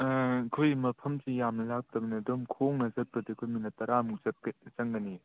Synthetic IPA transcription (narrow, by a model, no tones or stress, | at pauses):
kʰojmɐpʰɐmsijamnɐlak̚tɐbɐnɐdɯmkʰoŋnɐzɐt̚pɐdikʰojminɐtɐɾamukzɐt̚kt͡ʃɐŋɡɐni